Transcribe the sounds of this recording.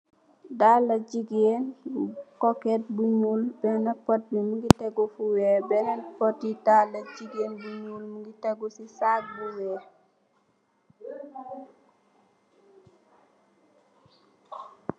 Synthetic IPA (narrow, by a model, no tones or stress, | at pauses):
dalːɐd͡ʒiɡeːnkɔkɛt̚buɲuːlbɛnɐpɔt̚bimuŋɡitɛɡɔfuwɛːbɛnɐpɔt̚ːidalːɐd͡ʒiɡeːnbuɲuːlmuŋɡitɛɡusisak̚buwɛː